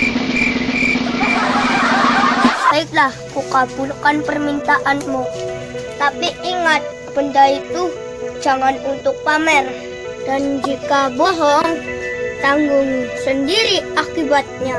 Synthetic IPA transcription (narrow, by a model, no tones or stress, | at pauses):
baɪk̚lahkukab̥ulkanpərmint̪aʔanmu | t̪apiʔiŋat̪̚ | b̥əndait̪u̥ | d͡ʒaŋanunt̪ʊk̚pamɛr | d̥and͡ʒikabɔɦɔŋt̪aŋɡʊŋsəndiɾiakibat̪̚ɲa